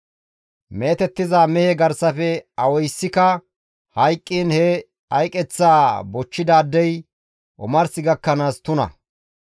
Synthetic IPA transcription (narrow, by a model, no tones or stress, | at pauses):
meːt̪ɛt̪ːɪzaːmɛhɛɡɐɾsɐfɛɐwɔjsːɪkɐ | hɐjkʼːiːnhɛ | ɐjkʼɛt͡sːaːbɔt͡ʃːɪd̪aːd̪ːɛj | ʔɔ̰mɐɾsɪɡɐkːɐnaːst̪ʊnɐ̰